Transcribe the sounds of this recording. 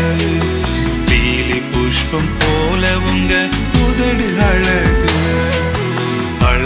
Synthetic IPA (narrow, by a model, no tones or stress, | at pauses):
ɐ | piːlipuʂpɐmpoːlɐʋʊŋɡɐ | ʊðɐɽinɐɻɐɣɯɐ | ɐɻ